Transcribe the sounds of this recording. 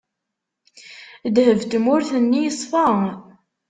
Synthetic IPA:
d̪həvt̪mʊɾθənːijəsˤfɑ

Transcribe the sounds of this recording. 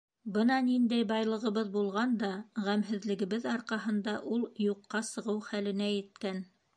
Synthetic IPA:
bɤnɑnind̪æjbɑjlˠɤ̆ʁɤ̆βɤðbulˠʁɑnd̪ɑʁæmɦɘ̆ðlɘ̆ɡɘ̆βɘðɑɾqɑɦɤ̆nd̪ɑʔulˠjuqːɑsɤ̆ʁɤwχælɘ̆næjɘ̆t̪̚kæn

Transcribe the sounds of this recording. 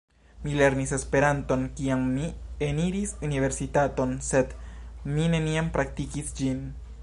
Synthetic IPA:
mile̞ɾnise̞spe̞ɾanto̞nkiamːieniɾisunive̞ɾsitato̞nse̞dmine̞niampɾak̚tikisd͡ʒin

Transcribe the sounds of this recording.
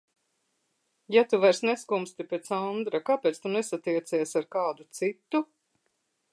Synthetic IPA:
jat̪uvajɾsnɛskumst̪ipet̪sand̪ɾakaːpɛːt̪st̪unɛsat̪iɛt̪siːsaɾkaːd̪ut̪sit̪ːu

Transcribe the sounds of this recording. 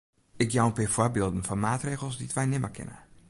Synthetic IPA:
ɪkjawnpɪfwɔbɪːlˠdn̩fɔnmaːtreːɣəl̩ˠsditʋɛjnɪməkʰɪ̰nə̰

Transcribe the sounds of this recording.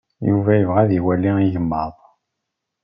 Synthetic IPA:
juvæjəvʁæðiwælːiijəmːəðˤ

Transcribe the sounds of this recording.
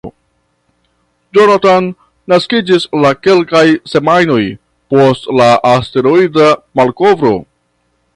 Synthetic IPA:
d͡ʒonatanː | askid͡ʒislake̞lkajse̞majno̞j | po̞stlaʔaste̞ɾoidamalko̞vɾo̞̰

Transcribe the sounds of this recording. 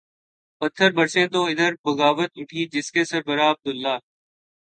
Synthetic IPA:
pət̪ʰːəɾbəɾsẽːt̪oːɪd̪əɾbəɣaːʋət̪ʊʈʰiːd͡ʒɪskeːsəɾbəɾaːəb̚d̪ʊlːaː

